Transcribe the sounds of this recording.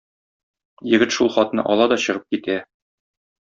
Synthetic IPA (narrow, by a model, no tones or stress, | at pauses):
jɘ̆ɡɘt̪ʃulˠχɒt̪nɤ̰ʔɒlˠɑd̪ɒɕɤ̆ʁɤp̚kit̪æ